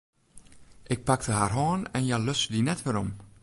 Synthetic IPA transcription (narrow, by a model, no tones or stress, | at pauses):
ʔɪk̚pak̚təɦaːrɦɑːnɛnjaløsədinɛtfəːɾɔm